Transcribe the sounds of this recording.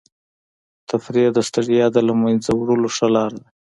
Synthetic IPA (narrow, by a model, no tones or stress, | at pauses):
t̪ʰafɾijad̪əst̪aɽijɑd̪əlamajnzawɽəloʂalɑɾad̪a